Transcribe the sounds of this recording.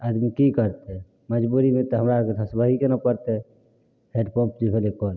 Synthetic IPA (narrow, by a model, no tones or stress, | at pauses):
ad̪mikikəɾt̪e | məd͡ʒbuɾimet̪ɔɦəmɾaked̪ʰʱəsbəɦikenapəɾt̪e | heɖpɔ̃mpd͡ʒibʱelekɔn